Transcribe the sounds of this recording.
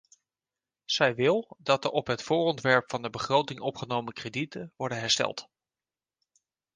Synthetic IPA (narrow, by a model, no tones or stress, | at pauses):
z̥ɛjʋɪlˠdɑt̚əʔɔpɦətfʊːrɔntʋɛɹpfɑndəbəχrowtɪŋɔpχənowməkreditəʋɔɹdəɦɛɹstɛ̰lˠt